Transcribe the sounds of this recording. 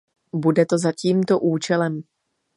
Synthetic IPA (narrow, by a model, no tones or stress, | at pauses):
budɛt̪o̞zaciːmt̪o̞ʔuːt͡ʃɛlɛm